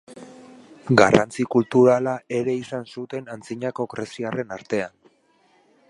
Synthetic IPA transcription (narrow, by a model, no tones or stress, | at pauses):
ɡara̰nt͡sikult̪uɾalaʔe̞ɾe̞isansut̪e̞nant͡siɲako̞kɾe̞siare̞naɾt̪e̞an